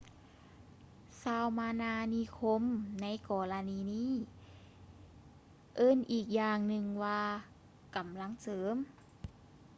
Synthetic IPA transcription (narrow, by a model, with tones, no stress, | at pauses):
saː˧˩wmaː˧naː˧niː˧˥kʰo˧˥mna˧˥jkɔː˧˩la˧niː˧niː˧˥˨ | ʔɤː˧˥˨nʔiː˨˩k̚jaː˨˩ŋnɯ˧ŋwaː˧ | ka˨˩˦mla˧˥˨ŋsɤː˨˦m